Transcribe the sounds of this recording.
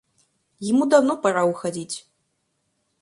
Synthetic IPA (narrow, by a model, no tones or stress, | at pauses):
jimud̪awnɔpaɾauxad͡zʲit͡sʲ